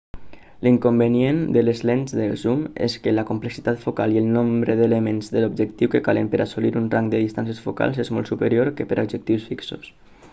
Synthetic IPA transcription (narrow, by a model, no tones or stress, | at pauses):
liŋkumbəniend̪ələzlenzðəlzumḛskələkumpləksit̪at̪fukaliəlˠnombɾəðələmenzðəlub̚d͡ʒəkt̪iwkəkaləmpəɾʔasuliɾunraŋkd̪əðist̪ans̬əsfuka̰lˠzezmɔlˠtsupəɾioɾkəpəɾʔobd͡ʒək̚t̪iwsfikso̰s